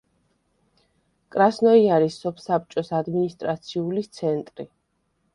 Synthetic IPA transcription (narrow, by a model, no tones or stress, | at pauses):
kʼɾasnɔiaɾisːɔpʰsap̚t͡ʃʼɔsad̪minist̪ʼɾat̪sʰiulit̪sʰɛnt̪ʼɾi